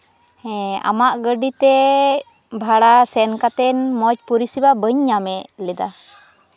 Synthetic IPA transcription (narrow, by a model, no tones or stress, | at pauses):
hɛa̰maʔɡəɖit̪ɛ | bʱaɽasɛnkat̪ɛnmɔc̚puɾisibabəɲːamɛʔlɛd̪a